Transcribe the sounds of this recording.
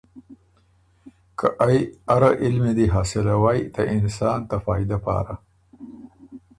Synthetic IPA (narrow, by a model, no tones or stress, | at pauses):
kʰaʔajaɾaʔɪlmed̪iɦɑːsɪlawɑjt̪a̰ʔɪnsɑːnt̪afɑːjd̪apɑ̰ːɾa̰